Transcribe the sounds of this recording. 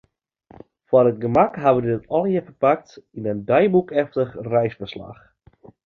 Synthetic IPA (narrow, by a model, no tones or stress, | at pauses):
fɔrət̚ɡəmakɦaʋədɪtɔlˠjəfərpak̚tinəndœjbukɛftəχrɛjsfərsla̰x